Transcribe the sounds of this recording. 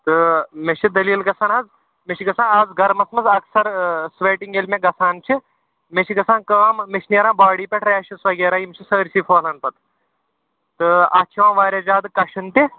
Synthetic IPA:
t̪ɨmet͡ʃʰid̪ɐliːlɡɐsʰaːnaːz | met͡ʃʰiɡɐsãːnɐːzɡɐɾmɐsmɐzɐksɐɾsʋeːʈiŋɡelmẽɡɐsaːnt͡ʃʰi | met͡ʃʰiɡɐsaːnkɐʋaːmmet͡ʃʰʲneɾãːbaːɽiːpʲeʈʰɾeːʃisʋɐɡeːɾaːjimt͡ʃʰisəːɾʲsiːfʰoːlɐnpɐt̪ʰ | t̪ɨa̰ːt͡ʃʰiʋãːʋaːɾʲjad͡ʒaːd̪ɨkɐʃʰɨnt̪i

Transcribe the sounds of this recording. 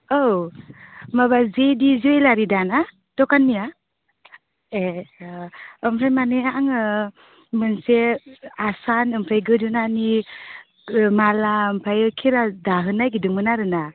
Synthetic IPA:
ow | maβazedizijlaɾidana | tɔkanːija | e | ɯmpʰajmaneaŋɯ | mɯnseasanɯmpʰajɡɯdɯnani | malaɯmpʰajɯkʰiɾadaɦɯnajɡidɯŋɯnaɾɯna

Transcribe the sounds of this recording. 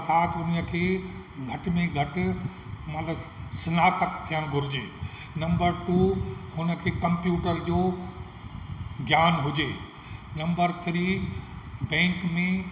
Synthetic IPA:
t̪aːt̪ʊnəkʰeː | ɡʱɐʈmẽɡʱɐʈʊ̆ | mɐt̪ləbsɐnaːt̪əkt̪ʰijəɽ̃ɡʱʊɾɪd͡ʑeː | nɐ̃mbəɾʈuːɦʊnə̆kʰeːkɐ̃mpjuːʈəɾd͡ʑoː | ɡjaːnɦʊd͡ʑeː | nɐ̃mbəɾt̪ʰɾi | bɛ̃ːŋkmẽ

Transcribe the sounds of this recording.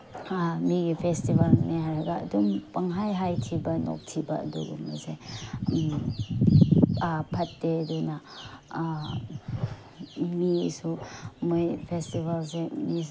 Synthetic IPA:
amiɡipʰestibalneɦaɾɐɡa̰ːdumpɐŋɦajɦajtʰibano̰k̚tʰiba̰ɐ̰dṵɡṵmaze | pʰɐtːeduna | misumojpʰestibalsemi

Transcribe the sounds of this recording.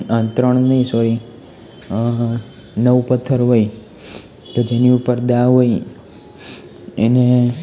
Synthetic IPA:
ənt̪ɾəɳ̃nəisɔɾi | nəʋpət̪ʰːəɾɦoi | t̪od͡ʒeniupəɾd̪aɦoi | ene

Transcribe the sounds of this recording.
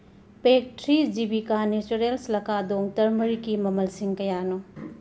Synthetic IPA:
pek̚tʰɾid͡ʒibikanet͡ʃuɾelslɐkʰadoŋtɐɾmɐɾikimɐmɐlsiŋkɐjanu

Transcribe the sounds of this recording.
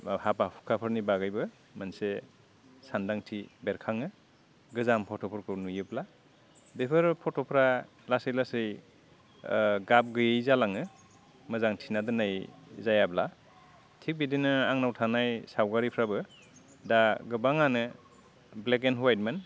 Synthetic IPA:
hapapʰu̥kʰapʰɯɾnibaɡajbɯ | manse | sandaŋtʰibeɾkʰaŋɯ | ɡɯzampʰɔtʰɔpʰɔɾkʰɯnujɯbla | depʰɯɾpʰɔtʰɔpʰɾa | lasɯjlasɯj | ɡap̚ɡɯjejzalaŋɯ | mɯzaŋtʰinadɯnajzajabla | tʰik̚bidinɯaŋnawtʰanajsawɡaɾipʰɾabɯ | daɡɯbaŋanɯ | blek̬enɦwajt̚man

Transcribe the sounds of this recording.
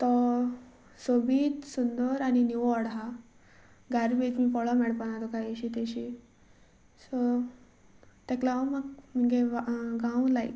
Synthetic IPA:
t̪ɔ | sobiːt̪sund̪əɾañiniʋɔɽɦa | ɡaɾbet͡ɕmipɔɭɔmɛɽpanat̪ɔkajeɕit̪eɕi | sɔ | t̪ɛklamaɡm̤əŋɡeʋaɡãwlaḭ

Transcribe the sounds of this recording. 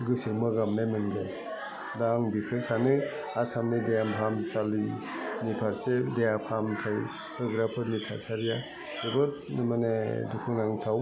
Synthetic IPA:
ɡɯsimɯɡamnajmɯnɡe | daŋbikʰɯsanɯ | asamnidejampʰamsali | nipʰaɾsedejapʰamtʰaj | pʰɯɡɾapʰɯɾnitʰasaɾija | zebɯtnmanedukʰɯnaŋtʰaw

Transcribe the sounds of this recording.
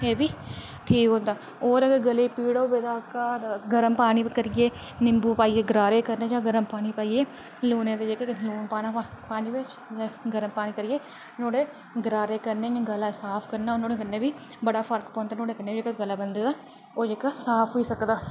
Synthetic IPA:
eːbiː | ʈʰiːkɦõːnd̪aː | oːɾəɡəɾɡəliːpiːɽoːbed̪aːkaːɡəɾəmpaːɽ̃iːkəɾɪeː | nɪmbuːpaːiːeːɡəɾaːɾeːkəɾneːd͡ʒãːɡəɾəmpaːñiːpaːiːeː | luːnẽːt̪ed͡ʒeːkeluːnpaːnapaːniːbɪt͡ʃː | ɡəɾəmpaːɽ̃iːkəɾɪeː | noːɽeː | ɡəɾaːɾeːkəɾneːjãːɡəlaːsaːpʰkəɾnaːonoːɽeːkənːeːbiː | bəɽaːpʰəɾk̪põːnd̪aːnoːɽeːkənːeːid͡ʒeːkeɡəlaːbənd̪eːd̪aː | oːd͡ʒeːkaːsaːpʰiːsəkd̪aː

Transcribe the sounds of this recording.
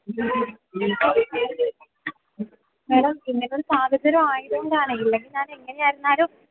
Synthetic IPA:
ʋeːɽɐmpinːɐloɾusaːd̪ʱɐd̪ɐɾɐmaːjiðɐŋːɐɽaːɳɨilːeŋɡilɲaːneŋːɐneaːjiɾunːaːɾoː

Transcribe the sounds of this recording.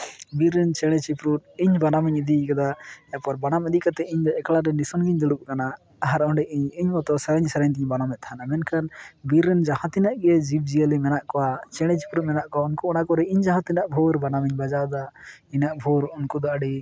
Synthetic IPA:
biɾːɛnt͡ʃɛɽ̃ɛt͡ʃipɾut̪̚iɲbanamiɲid̪ikad̪ajapaɾbanamɛd̪iʔkat̪ɛiɲd̪ɔɛklaɾɛnisɔnɡiɲd̪uɽuk̚kanaː | ɦaɾɔɖɛʔiɲiɲɔt̪ɔsəɾəɲsəɾaɲt̪iɲbanamɛt̪̚t̪ʰanamɛnkʰanbiɾːɛnd͡ʒahãt̪inaʔɡɛd͡ʒib̚d͡ʒiəlimɛnaʔkɔwat͡ʃɛɽ̃ɛt͡ʃipɾut̪̚mɛnaʔkɔaunkuɔnakɔɾɛiɲd͡ʒaɦãt̪inaʔbʱɔɾbanamiɲbad͡ʒad̪ainaʔbʱɔɾunkud̪ɔʔɖi

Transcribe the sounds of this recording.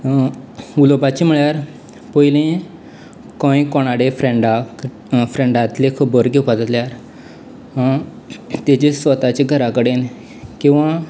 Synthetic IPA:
ulopat͡ɕim̤əɭjaɾ | pɔjlẽ | kɔ̃j̃kɔɽ̃aɽefɾẽɳɖa | fɾẽɳɖat̪lekʰəbəɾɡʱepad̪ət̪ljaɾ | t̪ed͡ʑesʋət̪at͡ɕeɡʱəɾakəɽen | kĩw̃ʋa

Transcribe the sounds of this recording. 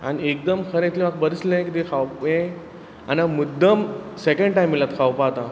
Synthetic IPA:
a̰ñiek̚d̪əmkʰəɾẽt̪limak̚bəɾəslẽkit̪ekʰawpẽ | anamud̪ʱːəmsekẽɳɖʈajmːilat̪kʰawpat̪a

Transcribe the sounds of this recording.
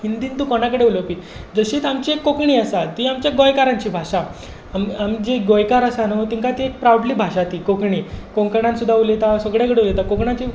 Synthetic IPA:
hind̪iːnt̪uːkonakəɽeulopiː | d͡zəɕiːt̪amt͡ɕiekːokɳiːəsat̪iamt͡ɕjaɡojkaɾãɲt͡ɕiːbʱaʂa | mamd͡ʑeɡojkaɾəsanoot̪iŋkat̪iek̚pɾawɖliːbʱaɕat̪iːkokɳiːkoŋkəɳãnsud̪ʱːaulet̪asəɡɽjak̬əɽeulet̪akokɳãt͡ɕiː

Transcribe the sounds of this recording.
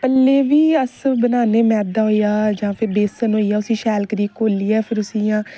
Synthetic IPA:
pəlːeːʋiːəsbənaːneːmɛːd̪aːɦoːijaːd͡ʒãːpʰɪɾb̪eːsənɦoːiːaːʊsĩːʃɛːlkɾiːkoːliːɛːpʰɪɾʊsijãː

